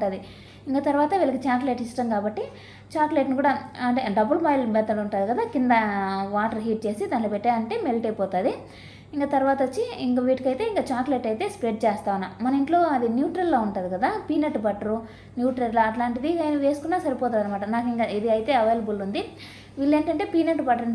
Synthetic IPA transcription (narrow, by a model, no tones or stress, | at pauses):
ʈaːd̪i | iŋkaːt̪ɐɾuʋaːt̪ɐʋiːlɐkit͡ʃaːkleʈiʂʈɐmkaːbɐʈːi | t͡ʃaːkleʈnik̬uːɽaɐɳʈeɖɐbulbaːjlmɛd̪ɐluɳʈaːd̪ikɐd̪aːkind̪ɐʋaːʈɐɾɦiːʈ̚t͡ʃe̞ːsid̪aːnlopeʈːaːɐɳʈe̞ːmelʈejpɔːt̪aːd̪i | iŋkaːt̪ɐɾuʋaːt̪ɐʋot͡ʃːiiŋkɐʋiːʈikɐjt̪e̞ːiŋkaːt͡ʃaːkleʈɐjt̪e̞ːspɾeɖ̚t͡ʃɛːst̪aːʋunːaːmɐnɐmiɳʈlo̞ːɐd̪injuːʈɾɐlːoːuɳʈaːd̪ikɐd̪aːpiːneʈːbɐʈːɐɾu | njuːʈɾɐlloɐʈlaːɳʈid̪iaːjnɐʋe̞ːsu̥kunːaːsɐɾipɔːt̪aːd̪ɐnːɐmaːʈɐnaːkiŋkaid̪iɐjt̪e̞ːɐʋejlɐbulund̪i | ʋiːlːe̞ːɳʈɐɳʈe̞ːpiːneʈːbɐʈɐɾ